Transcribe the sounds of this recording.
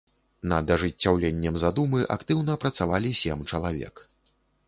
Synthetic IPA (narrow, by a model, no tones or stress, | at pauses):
nɐd̪ɐʐɨt͡sʲːawlʲenʲːɛmzad̪umɨʔa̰kt̪ɨwnɐpɾɐt̪savalʲisʲɛmt͡ʂɐlˠavʲɛ̰k